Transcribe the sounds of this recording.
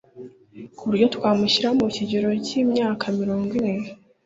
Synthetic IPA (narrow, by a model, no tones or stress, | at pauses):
kuβuɾɟo̞twaːmuɕiɾaomuciɟoɾo̞ciːmɲaːkʰamiɾo̞ːŋɡwimŋe